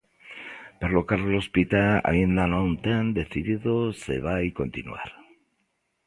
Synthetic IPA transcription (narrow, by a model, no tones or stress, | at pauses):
peɾlokaɾlospit̪aa̰ind̪anãwnt̪and̪e̞θiðiðosḛβ̞ajko̞nt̪inṵa̰ɾ